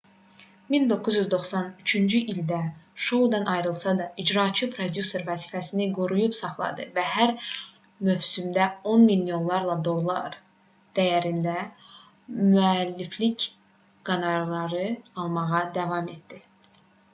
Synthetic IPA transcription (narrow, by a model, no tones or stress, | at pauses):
mind̪o̞kʰːuzyzd̪o̞xsɑnyt͡ʃʰynd͡ʒyʔild̪æʃo̞ud̪ɑnʔɑjɾɯlˠsɑd̪ɑʔid͡ʒɾɑːt͡ʃʰɯpʰɾo̞d̪juse̞ɾvæziːfæsiniɡuɾujupsɑχlˠɑ̰d̪ɯvæɦæɾ | møvsymd̪æo̞nmilːio̞nlˠɑɾlˠɑd̪o̞lˠːɑ̰ɾ | d̪̥æjæɾind̪æ | myælːiflic | ɡ̥ɑnɑɾlˠɑɾɯɑlˠmɑʁɑd̪ævɑme̞t̪̚d̪̥i